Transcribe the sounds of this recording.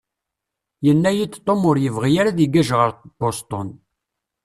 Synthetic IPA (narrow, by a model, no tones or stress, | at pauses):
jənːæjit͡sːt̪ˤːomʊɾjəvʁijaɾaðiɡæʒʁəɾb̥ost̪ˤon